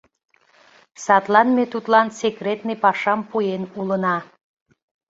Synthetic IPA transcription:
sɑt̪lɑnmet̪ut̪lɑnsekret̪nepɑʃɑmpujenulənɑ

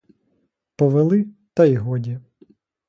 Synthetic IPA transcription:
pɔʋelˠɪt̪ɐiɦɔdʲi

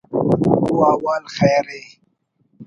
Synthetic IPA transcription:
uːaːwaːlxɛːɾe

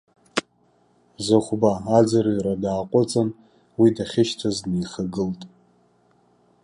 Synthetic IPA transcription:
zaχʷbaːd͡zarjradaːqʷʼʊt͡sʼan | widaχʲɪʃtʰaznejχaɡɨltʼ

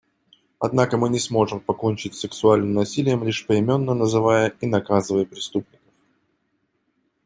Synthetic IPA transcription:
ɐ̰d̪nakəmɨnʲɪsmo̞ʐɨmpɐkonʲt͡ɕɪtʲsʲɪksʊalʲnɨmnɐsʲilʲɪjəmlʲiʂpəɪmʲo̞nːənəzɨvajəinɐkazɨvəjəpɾʲɪst̪upnʲɪkə̥f

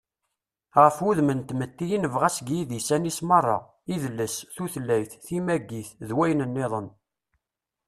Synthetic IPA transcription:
ʁəfuðmənt̪mət̪ːijinəvʁæsɡjiðisænismɑrˤːɑ̰ | iðəlːəsθuθlːæjθθimæɡːiθðwæjnənːeðˤən

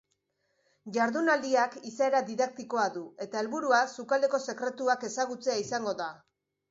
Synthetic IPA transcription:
ʝaɾðunald̪iakisae̞ɾaðiðak̚t̪iko̞aðue̞t̪ae̞lβuɾuasukald̪e̞ko̞se̞kɾe̞t̪uake̞saɣ̞ut͡se̞aisaŋɡo̞ða

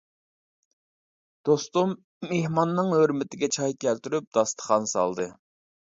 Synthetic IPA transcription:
d̪̥ost̪umː | ehmɑnːɨŋɦøɾmɪt̪ʰɪɡʲɛt͡ʃʰɑjkʲælt̪yɾyp̚d̪ɑst̪ʰə̥χɑnsɑ̰lˠd̪ɨ

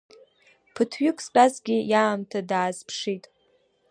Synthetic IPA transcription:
pʰɨtʰɥʏkʷʰʼst͡pʼazɡʲɪjaːmtʰadaːzpʰʂitʼ

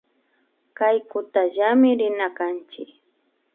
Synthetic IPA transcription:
kajkʊt̪aʒamɪɾɪnakant͡ʃɪk

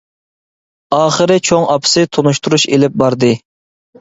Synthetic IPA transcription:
ɑːχəɾɪt͡ʃʰoŋɑpʰɨ̥sɨt̪ʰonuʃt̪uɾuʃḛlɪp̚bɑɾd̪ɨ

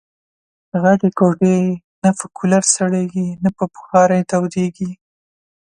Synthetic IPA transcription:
ɣaɖekoɖe | nafakʰulaɾsaɽeɡinapəpʊ̥xɑɾajt̪awd̪eɡi

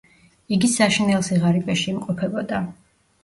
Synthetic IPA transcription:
iɡisaʃinɛlˠsiʁaɾibʼɛʃiːmqʼɔpʰɛbɔd̪a

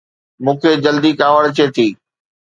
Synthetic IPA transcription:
mũːkʰeːd͡ʑɐld̪ikaːʋəɽt͡ɕʰeːt̪ʰiː

